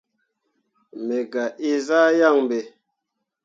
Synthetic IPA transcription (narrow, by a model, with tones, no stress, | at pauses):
me˨ɡa˨ʔi˦za˦ja˦˨ŋ˨be˨